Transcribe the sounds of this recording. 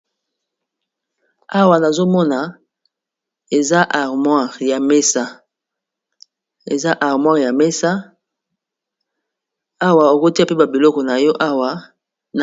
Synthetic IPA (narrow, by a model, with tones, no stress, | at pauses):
a˦wa˨na˨zo˦mɔ˦na˨ | e˨za˦ʔa˨ʁmwa˦˨ʁja˨me˦sa˦ | ḛ˨za˦ʔa˨ʁmwa˦ʁja˨me˦sa˦ | a˦wa˨o˨ko˦ti˦a˦˨pe˦ba˨bi˨lɔ˦kɔ˨na˨jɔ˦ʔa˦wa˨ | n˨